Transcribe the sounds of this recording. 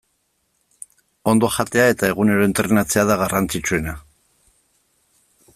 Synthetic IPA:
o̞nd̪o̞ʝat̪e̞ae̞t̪ae̞ɣune̞ɾo̞ent̪ɾe̞nat͡se̞aðaɣarant͡sit͡ʃue̞na

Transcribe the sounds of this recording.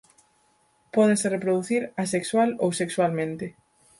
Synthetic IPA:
pɔðeserepɾoðuθiɾasekswalowsekswalmẽnt̪ɪ

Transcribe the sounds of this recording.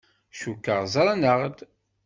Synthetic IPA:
ʃukːəʁzɾˤɑnəʁd̪

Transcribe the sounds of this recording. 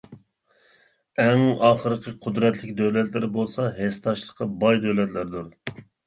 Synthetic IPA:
ɛŋɑːχəɾəqʰəqʰʊd̪ɾɛt̪ʰlɪkʲd̪ølɛt̪lɪɾɪbolˠsɑɦest̪ʰɑʃlˠəqɑbɑjd̪ølɛt̪læɾd̪uɾ

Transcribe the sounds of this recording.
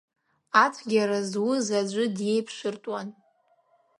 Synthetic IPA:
at͡sʷʰɡʲaɾazwʊzad͡ʒʷɨdje̞jpʰʂʷɨrtʼwan

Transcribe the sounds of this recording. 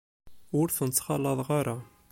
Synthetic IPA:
ʊɾθənt͡sːχɑlːɑðˤʁɑɾa

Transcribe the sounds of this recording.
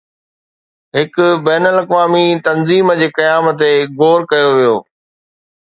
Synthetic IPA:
ɦɪkʊbɛːnəlɐkʋaːmit̪ɐnziːmd͡ʑeːkɐjaːmət̪̬eɡoːɾkɐjoʋijoː

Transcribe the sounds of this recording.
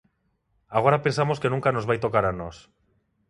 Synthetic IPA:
aɣoɾapensamoskenũŋkanozβajt̪okaɾanɔs

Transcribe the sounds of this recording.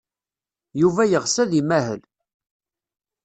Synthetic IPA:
juvæjəʁsæðimæɦə̰l

